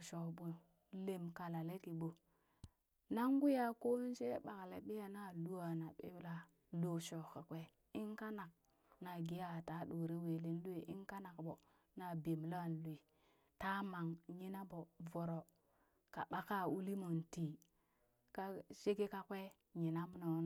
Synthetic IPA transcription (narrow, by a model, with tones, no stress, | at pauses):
ʃo˨ɓo˨ | le˨mka˨la˨le˦ki˨ɓo˨ | na˦ŋɡu˦ja˦ko˦n˦ʃe˦ɓa˨ka˨lḛ˨ɓi˦ja˨na˦˨lu˦a˨na˨ɓḛ˦bla˦ | lo˨ʃo˨ka˨kʷe˦ | i˦nka˦na˨k̚ | na˨ɡi˨˦ja˦˨ta˦ɗo˨ɾe˦we˨le˦n˦lu˦e˨ʔi˦nka˦na˨kbo˨ | na˨be˨m˨la˦˨nlu˨i˨ | ta˦ma˨ŋɲi˦na˦bo˨vo˨ɾo˨ | ka˨ɓa˦ka˦u˦li˦mo˨nti˨ | ka˦ʃe˦ke˦ka˦kʷe˦ | ɲi˨na˦m˦no˨˦n˨